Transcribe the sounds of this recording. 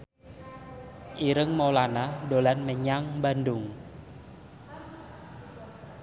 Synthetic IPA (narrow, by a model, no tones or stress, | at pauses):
ʔiɾəŋmolanadolanməɲaŋbandʊŋ